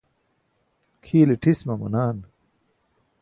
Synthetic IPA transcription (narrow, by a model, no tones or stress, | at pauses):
kʰiːleʈʰismɐmɐ̰naːn